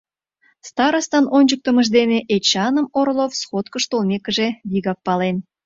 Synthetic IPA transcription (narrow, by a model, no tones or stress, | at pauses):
st̪ɑɾəst̪ɑnʔonʲd͡ʑək̚t̪əməʒ̬d̪eneʔet͡ɕɑnəmoɾlˠofsχot̪kəʃt̪olmʲekə̆ʒeβiɣɑk̚pɑlen